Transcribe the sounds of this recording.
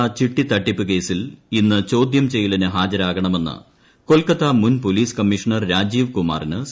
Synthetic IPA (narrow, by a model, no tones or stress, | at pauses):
t͡ɕiʈːit̪ɐʈːipʲːɨke̞ːsilinːɨt͡ɕo̞ːd̪jɐmt͡ɕe̞jːilɐnɨɦaːd͡ʑɐɾaːɣɐɳɐme̞nːɨ̰ | ko̞lkɐt̪ːɐmunpoliːskɐmːiʂɐɳɐrɾaːd͡ʑiːʋkuma̰ːrinɨs